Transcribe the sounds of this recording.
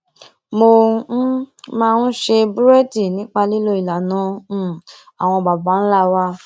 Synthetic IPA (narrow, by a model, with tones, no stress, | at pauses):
mo˧˦ | mãː˦˧n̩˦ʃe˧bu˦ɾɛ˦di˨nĩ˨˦k͡pa˧li˦lo˦i˨la˨nã˧˦˨ | a˨w̃ɔ̃˧˨ba˨ba˨˦ñ̩˦la˦wa˧